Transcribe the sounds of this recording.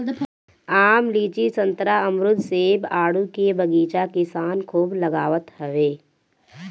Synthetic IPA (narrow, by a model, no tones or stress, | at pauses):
aːmliːt͡ʃisə̃nt̪ɾaəmɾʊd̪ʱseːbaːɽukebəɡiːt͡ʃakɪsaːnkʰuːbləɡaːʋət̪ɦəʋeː